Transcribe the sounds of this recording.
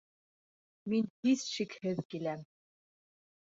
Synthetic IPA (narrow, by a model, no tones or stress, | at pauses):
mint̪isʃikhɘðkilæm